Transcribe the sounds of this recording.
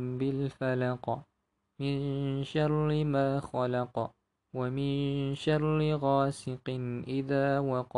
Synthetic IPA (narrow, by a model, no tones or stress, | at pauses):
bɪlfalɑq | mɪnʃɑɾˤɪmaːxalɑqɑ | wamɪnʃɑɾˤlɪɣaːsɪqɨnʔɪðaːwɑqɑ